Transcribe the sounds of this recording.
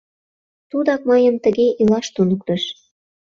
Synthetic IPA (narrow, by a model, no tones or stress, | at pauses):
t̪ud̪ɑk̚mɑjɤ̆mt̪ə̆ɣeʔilɑʃt̪unə̆k̚t̪ə̆ʃ